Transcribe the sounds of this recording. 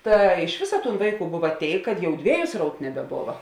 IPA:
ˈtɐ ɪʃ ˈʋʲeːsɐ ˈtuːn ˈʋɐɪˌkuː ˈbʊʋɐ ˈtʲeːɪk kɐt ˈjɛʊ ˈdʲʋʲeːjʊ ˈsrɐʊt nʲɛbʲɛˈboːʋɐ

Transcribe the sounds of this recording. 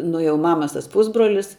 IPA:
nʊ jɛʊ ˈmɑːmɐs ˈtɐs ˈpuːzbroːlʲɪs

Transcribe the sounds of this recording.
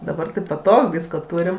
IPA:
dɐˈbɐr tɐɪ ˈpɑːtoːk ˈʋʲiːskoː ˈtuːrʲɪm

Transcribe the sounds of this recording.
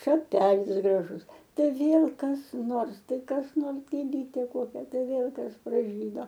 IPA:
ʃɐˈpʲæːlʲɪs ɡrɐˈʒʊs ˈtɐɪ ˈʋʲeːlˠ kɐs ˈnoːrs ˈtɐɪ kɐs ˈnoːrs ɡʲeːˈlʲiːtʲeː ˈkoːkʲɛ ˈtɐɪ ˈʋʲeːlˠ ˈkɐs prɐˈʒʲiːdoː

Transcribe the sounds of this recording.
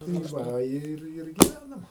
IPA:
tɐɪ ˈʋɐ ˈɪr ɪr ɡʲɪˈʋʲænɐm

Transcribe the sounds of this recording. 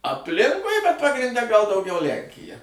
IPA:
ɐpʲˈlʲɪŋkʊɪ bʲɛt pɐɡrʲɪnʲˈdʲɛ ɡɐlˠ dɐʊˈɡʲɛʊ ˈlʲɛŋʲkʲɪjɛ

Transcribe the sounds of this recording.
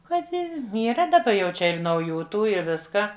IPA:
ˈkɐt ˈnʲɛ iːˈrɐ dɐˈbɐ jɛʊ ˈt͡ʃʲɛ ɪr nɐʊˈjuː ˈtuː ɪ ˈʋʲɪskɑː

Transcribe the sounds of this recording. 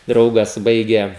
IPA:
ˈdrɐʊɡɐs ˈbɐɪɡʲeː

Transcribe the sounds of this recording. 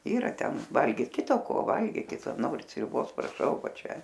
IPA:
ˈiːrɐ ˈtʲɛn ˈʋɐlʲɡʲiːt ˈkʲɪtɐ koː ˈʋɐlʲɡʲiːkʲɪt ˈnoːrʲɪt sʲrʲʊˈboːs prɐˈʃɐʊ ˈʋɐ ˈt͡ʃʲɛ

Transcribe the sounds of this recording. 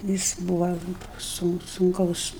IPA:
ˈjɪs ˈbuːʋɐ sʊn sʊŋˈkɐʊs

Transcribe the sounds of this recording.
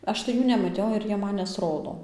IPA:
ˈɐʃ tɐɪ ˈjuː nʲɛmɐˈtʲɛʊ ɪr ˈjiɛ ˈmɐn nʲɛsˈroːdoː

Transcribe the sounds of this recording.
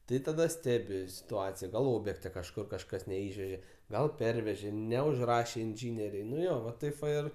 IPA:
ˈtɐɪ tɐˈdɐ ˈsʲtʲæːbʲɪ sʲɪtʊˈɑːt͡sʲɪjɛ ɡɐlˠ ˈoːbʲjɛktʲɛ kɐʃˈkʊr kɐʃˈkɐs nʲɛˈɪʃʲʋʲɛʒʲeː ˈɡɐlˠ ˈpʲɛrʲʋʲɛʒʲeː nʲɛʊʒˈrɑːʃʲeː ɪnʲˈʒʲiːnʲɛrʲɛɪ nʊ ˈjoː ʋɐ ˈtɐɪp ʋɐ ˈɪr

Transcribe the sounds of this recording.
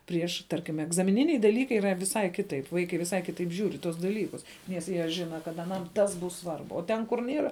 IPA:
ˈpʲrʲiɛʃ ˈtɐrʲkʲɪm ɛɡzɐmʲɪˈnʲɪnʲɛɪ dɐˈlʲiːkɐɪ iːˈrɐ ʋʲɪˈsɐɪ ˈkʲɪtɐɪp ˈʋɐɪkɐɪ ʋʲɪˈsɐɪ ˈkʲɪtɐɪp ʒʲuːr ɪ tuɔs dɐˈlʲiːkʊs nʲɛs ˈjiɛ ˈʒʲɪnɐ kɐt ɐˈnɐm ˈtɐs ˈbʊs ˈsʋɐrbʊ oː ˈtʲɛn kʊr ˈnʲiɛrɐ

